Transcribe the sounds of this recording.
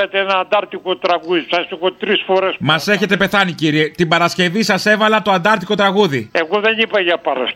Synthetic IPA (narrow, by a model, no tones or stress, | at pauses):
et̪eenɐːnd̪ɐɾt̪ikot̪ɾɐɣuðisɐsixot̪ɾisfo̞ɾesmɐse̞çe̞t̪e̞pe̞θɐniciɾie̞t̪ibɐɾɐsce̞visɐse̞vɐlɐt̪o̞ɐnd̪ɐɾt̪iko̞t̪ɾɐɣuðie̞ɣoðe̞nipɐʝɐpɐɾɐ̰s